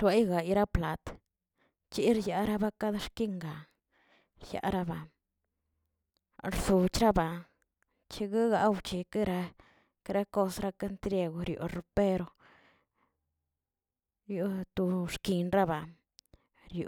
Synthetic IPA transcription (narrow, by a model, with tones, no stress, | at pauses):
ɾwe˦jɡa˨i˧˦ɾa˦pla˨t̪ | t͡ʃi˦ɾja˧ɾa˦ba˦ka˦d̪ʃki˦ŋɡa˨ | ɾja̰˧˦ɾa˦ba˨ | ɾsu˨t͡ʃɾa˦ba˨ | t͡ʃi˧ɡa˦ɡa˧˦wt͡ʃi˧ki˦ɾa˧ | kɾa˦ko˦˧sɾa˦ka˦nt̪ɾʲe˧ɡo˧ɾjo̰˨ɾu˧pe˦ɾo˧ | jo˧t̪u˧ʂki˨nɾa˦ba˨ | ɾjo̰˨